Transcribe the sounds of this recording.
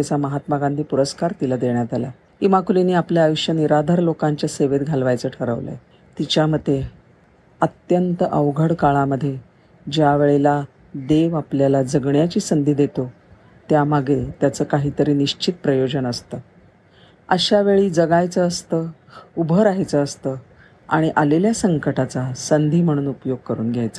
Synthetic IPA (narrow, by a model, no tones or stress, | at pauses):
at͡saməɦat̪maɡand̪ʱiːpuɾəskaɾt̪ilad̪eɳjat̪ala̰ | imakuliniːapljaːjuɕjəniɾad̪ʱaɾlokãɲt͡ɕjaseʋet̪ɡʱalʋajt͡səːʈʰəɾə̰ʋlə̰ | t̪it͡ɕjaməd̪ʱːje | ət̪jənt̪əʔəʋɡʱəɽkaɭaməd̪ʱːje | d͡ʑjaʋeɭela | d̪eʋapljalad͡zəɡɳjat͡ɕiːsənd̪ʱiːd̪et̪o | t̪jamaɡet̪jat͡səːkaɦiːt̪əɾiːniɕt͡ɕʰit̪̚pɾəjod͡ʑənəst̪əː | əɕaʋeɭiːd͡zəɡajt͡səəst̪ə | ubʱəɾaɦjt͡səːst̪əː | aɽ̃iʔaleljasəŋkəʈat͡sasənd̪ʱiːm̤əɽ̃uːnupjoɡ̚kəɾuːnɡʱjajt͡sə